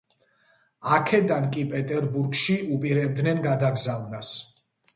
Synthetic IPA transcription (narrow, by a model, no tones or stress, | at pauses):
akʰɛd̪ankʼipʼɛt̪ʼɛɾbuɾɡʃiupʼiɾɛbd̪nɛnɡad̪aɡzavnas